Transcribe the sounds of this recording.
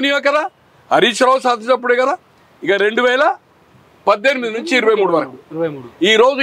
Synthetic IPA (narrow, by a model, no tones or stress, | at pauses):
nijaːkɐd̪aː | ɐɾiːʂɐɾɐwsaːd̪ʱit͡ʃɐp̬ːuɽekɐd̪aː | ikaɾe̞ɳɖuʋɛːlɐ | pɐd̪ːe̞nimid̪inuɲt͡ʃiːɾuʋɐjmuːɽuʋɐɾkuiːɾo̞ːd͡ʒ